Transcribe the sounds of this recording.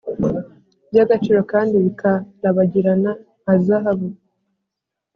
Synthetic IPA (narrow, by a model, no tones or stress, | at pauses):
bjaɡat͡ʃiɾakaːndiβikʰaɾaβaɟiɾanaː | zaɦaβu